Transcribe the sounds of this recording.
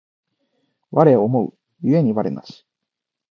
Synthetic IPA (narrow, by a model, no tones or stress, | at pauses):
βaɾe̞omo̞ɯ̰ | jɯe̞ɲ̟iβaɾe̞̰ma̰ɕi̥